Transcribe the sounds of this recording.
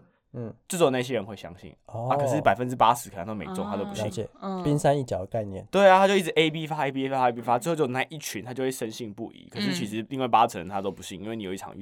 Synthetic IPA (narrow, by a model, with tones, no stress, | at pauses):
ʈ͡ʂ̩˥˩t͡so˨˩na˥˩ɪjɛ˦˥ɻə˧˦nxwe˥˩ɪɕjɑ̰˦ŋɕḭ˥˩na˧˩kɤ˨˩ʂɻ̩˥˩pa˨˩ɪfə˦nʈ͡ʂɻ̩˥pa˥sɻ̩˧˥k̪ʰŋ˥o˥mḛ˨˧ɪt͡so˥˧ŋt̪ʰa˥t̪o˥ʊp̬u˧˦ɕi˥˨˩ŋ̩˨˥˩pi˦nsa˥ni˥˩t͡ɕjɑ˨˩ʊd̪ə˩ka˥˧ɪnjɛ̰˥˨nt̪we˥˩ɪa˨˩a˥t͡ɕo˥˧ʊi˥˩ʈ͡ʂɻ̩˩ʔe˥ɪp̬i˥fa˥e˥pi˦e˥a˦˥˧e˥pi˥fa˥t͡sɹə˥˧xt͡ɕjo˥˧ʊna˥˧ɪʔi˥˩t͡ɕʰy˧˦nt̪ʰa˥t͡ɕo˥˧ʊwe˥˩ʂə˦˥nɕi˥˧ŋpṵ˥˨˩ḭ˨˦kʰɤ˨˩ʂɻ̩˥˩t͡ɕʰi˧˥ʂɻ̩˧˥li˥˧ŋwa˥˩ɪpa˥ʈ͡ʂʰə˧˦nt̪ʰa˥t̪o˥ʊpu˧˦ɕi˥˩ŋi˥nwe˥˩n˨jo˨˩i˥ʈ͡ʂʰɑ̰˨˩ŋy̰˥